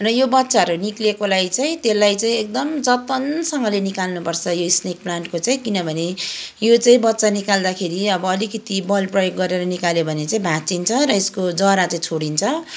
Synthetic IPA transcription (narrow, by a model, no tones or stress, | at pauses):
rʌjobʌtːsaʌɾuniklekolajt͡saĩt̪elːajt͡saĩek̚d̪ʌmd͡zʌt̪ʌnsʌŋɡʌlenikalnupʌrt͡sʰʌjoisnek̚plaɳʈkot͡saĩkinʌbʱʌnejot͡saĩbʌtːsanikald̪akʰeɾiʌbʌːlikʌt̪ibʌlprʌjoɡːʌɾeɾʌnikaljeobʱʌnet͡saĩbʱat͡sint͡sʰʌɾʌeskod͡zʌɾat͡saĩt͡sʰoɽint͡sʰʌ